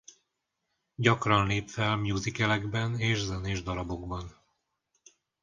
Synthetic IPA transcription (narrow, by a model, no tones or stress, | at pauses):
ɟɒkrɒnleːpfɛlmjuːzikɛlɛɡbɛneːʒzɛneːʒd̪ɒɾɒbo̞ɡbɒn